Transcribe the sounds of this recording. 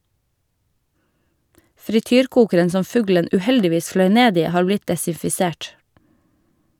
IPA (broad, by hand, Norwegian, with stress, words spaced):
fɾɪˈtyːɾˌkuːkəɾən ˈsɔm ˈfʉɡlən ʉːˈhɛldɪˌʋiːs ˈflœʏ ˈneːd ˈiː ˈhɑːɾ ˈblɪt dɛsɪfɪˈseːʈ